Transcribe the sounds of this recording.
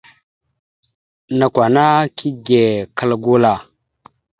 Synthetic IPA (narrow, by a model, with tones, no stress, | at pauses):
na˨kʷa˨na˦kʰi˦ɡe˨kə˦lɡu˦la˨